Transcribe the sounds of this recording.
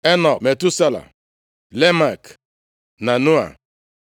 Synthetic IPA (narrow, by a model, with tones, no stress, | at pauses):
e˦nɔ˨me˨tu˦sa˦la̰˨ | le˦ma˨k | na˨nu˦a̰˨